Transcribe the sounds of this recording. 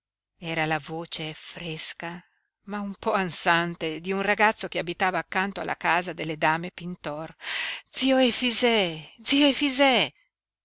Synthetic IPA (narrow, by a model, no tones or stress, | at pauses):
ɛːɾalavoːt͡ʃefɾeska | maumpɔansant̪ed̪iunraɡat̪sːokeabit̪aːvaːkːant̪oa̰lːʔa̰kaːzad̪elːed̪aːmepint̪ɔrd̪ziːoefizɛd̪zioefizɛ